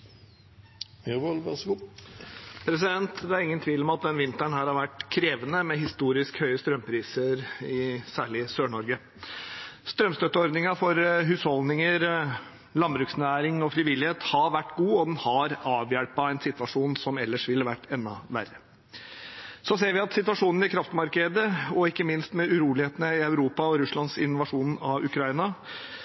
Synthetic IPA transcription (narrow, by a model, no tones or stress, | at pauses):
ʋəlʋɛsɡu | pʰɾɛs̬ɪd̪ɛnt̪d̪ɛæɾɪŋːənt̪ʰʋiːlɔmɑt̪̚d̪ɛnʋɪnt̪æɳhæːɾhɑɾʋæʈːkʰɾeːʋənəmɛɦɪst̪uːɾɪskhœʏəst̪ɾœmpʰɾiːsəɾɪsæːɭɪsøːɳɔɾɡə | st̪ɾœmst̪œt̪ːəɔɾd̪nɪŋɑfɔɾɦʉːshɔld̪ɪŋəɾ | lɑnbɾʉːksnæːɾɪŋɔfɾɪʋɪlɪheːt̪hɑɾʋæʈːɡuːɔd̪ɛnhɑɾɑːʋjæɽpɑɛnsɪt̪ʋɑʂuːnsɔmɛlːəʂʋɪlːəʋæʈːɛnːɑ̰ʋæ̰ɾːə | sɔseːɾʋɪɑt̪sɪt̪ʋɑʂuːnn̩ɪkʰɾɑft̪mɑɾkəd̪əɔɪkːəmɪnst̪mɛʉɾuːlɪheːt̪ənəɪœʉɾuːpɑɔɾʉslɑnsɪnːʊʋɑʂuːnɑʉkʰɾɑinɑ